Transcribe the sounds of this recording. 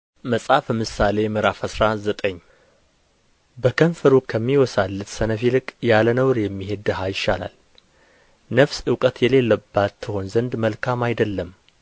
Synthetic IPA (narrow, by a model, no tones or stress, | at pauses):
məsʼafəmɨsale̞mɨɾafəsɾazət̪ʼəɲː | bəkʰənfəɾukʰəmːiwɔsalːɨt̪sənəfilɨkʼjalənəwɾjɛmːihed̪əɦajɪʃːala̰l | nəfsɨwkʼət̪jɛle̞lːəbːat̪ʰːɨho̞nzənd̪məlkʰamajd̪əlːəm